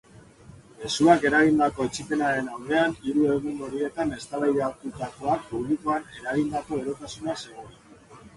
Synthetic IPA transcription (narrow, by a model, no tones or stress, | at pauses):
e̞suake̞ɾaɣind̪ako̞et͡ʃipe̞naɾe̞nawðe̞aniɾue̞ɣunoɾie̞t̪ane̞st̪aβajðeat̪ut̪ako̞ak̚puβlikoane̞ɾaɣind̪ako̞e̞ɾo̞kasunase̞ɣoɾ